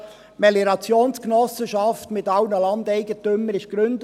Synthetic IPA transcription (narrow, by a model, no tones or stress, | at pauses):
mɛliɾɑt͡sjoːnsknɔsəʃɑftmɪtɑʊnəlɑnd̪ɛɪɡətømːəɾɪʃɡ̥ɾʏnd